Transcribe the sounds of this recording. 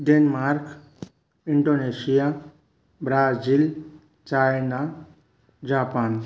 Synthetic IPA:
ɖenmaɾk | iɳɖonesija | bɾazil | t͡ʃajna | d͡ʒapan

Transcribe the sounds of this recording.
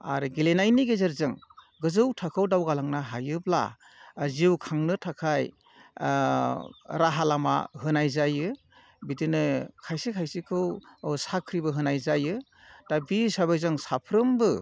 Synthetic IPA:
a̰ɾɯɡelenajniɡezeɾzɯŋ | ɡɯzɯwtʰakʰɯwdawɡalaŋnaɦajɯbla̰ | ziwkʰaŋnɯtʰakʰaj | ɾaɦalama̰ɦɯnajzajɯ | bidɯnɯkʰajsikʰajsikʰɯwsakʰɾibɯɦɯnajzajɯ | tabisabajzɯŋsapʰɾɯmbɯ

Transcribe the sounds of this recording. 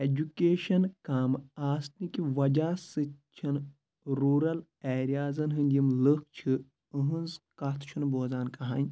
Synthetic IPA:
ed͡ʒukeːʃɐnkaːmaːsnikiʋɐd͡ʒaːsɨt͡ʃʰɐn | ɾuːɾɐl | ɛːɾijaːzɐnɦɨnʲimlɨk̚ʰt͡ʃʰɨ | ɨɦɨ̃nzkɐt̪ʰt͡ʃʰunboːzaːnkɐɦaːnʲ

